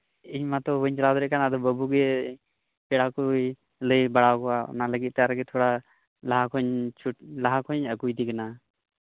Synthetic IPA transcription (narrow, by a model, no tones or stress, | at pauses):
iɲmat̪ɔbəɲt͡ʃalad̪ɔɾɛʔkanad̪ɔbəbʱuɡɛ | pɛɽakuj | ləjbaɽawkɔwaɔ̰naləɡit̪̚t̪ɛaɾɡɛt̪ʰɔɽa | laɦakɔɲt͡ʃʰulaɦakɔɲəkujd̪ikana